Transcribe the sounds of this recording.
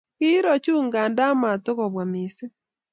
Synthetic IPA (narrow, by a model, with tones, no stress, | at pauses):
ki˦ɾɔ˨t͡ʃuː˦ŋɡaː˨nda˦ma˨to˦ɣɔ˨βwa˨mi˨se˦